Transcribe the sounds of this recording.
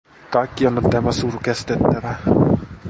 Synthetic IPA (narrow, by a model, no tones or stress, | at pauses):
kɑikːiolːut̪t̪æmæsuːrkest̪et̪ːæʋæ